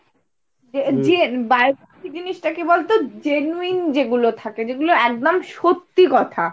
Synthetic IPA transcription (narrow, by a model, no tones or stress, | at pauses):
ed͡ʑebaɾ | kʰid͡ʑiniʃʈakebolt̪od͡ʑenuind͡ʑeɡulot̪ʰaked͡ʑeɡuloɛk̚d̪amʃot̪ːikɔt̪ʰa